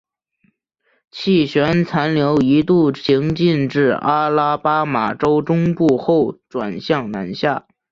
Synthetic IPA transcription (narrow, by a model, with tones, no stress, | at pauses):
t͡ɕʰi˥˩ɕɥɛ˧˥nt͡sʰa˧˥nljo˧˥ʊi˧˥t̪u˥˩t͡ɕʰi˧˥ŋt͡ɕi˥˧nʈ͡ʂɻ̩˥˩a˥la˥pa˥ma˨˩ʈ͡ʂo˥ʊʈ͡ʂʊ˥ŋpu˥˧xo˥˩ʊʈ͡ʂwa̰˨˩nɕjɑ˥˩ŋna̰˧˥nɕja̰˥˩